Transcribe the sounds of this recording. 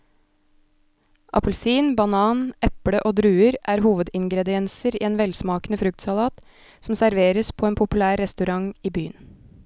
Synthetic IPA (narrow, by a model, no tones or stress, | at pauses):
ʔɑ̰pʉlsiːnbɑnɑːnʔɛpɽəʔoːd̪ɾʉːəɾʔæːɾhuːʋəd̪ɪŋɡɾɛd̪ɪɛnsəɾiːeːnʋɛlsmɑːknəfɾʉk̚t̪sɑlɑːt̪ | sm̩sæɾʋeːɾəspʰoːeːnpʰʊpʉlæːɾːɛst̪ʉɾɑŋiːby̰ːən